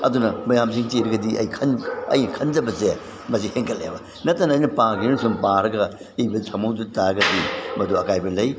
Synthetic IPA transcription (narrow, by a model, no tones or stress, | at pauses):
ɐ̰dunɐmɐjams̬iŋteɾɐɡɐdiʔɐ̰jkʰɐnɐ̰jnɐkʰɐnd͡ʒɐbɐze | mɐsiheŋkʰɐlḛbɐ | nɐtːanɐːjnɐpaɡinnsumpaɾɐɡɐ | ibɐtʰɐmowdutaɾɐɡɐdimɐduɐkajbɐlɐj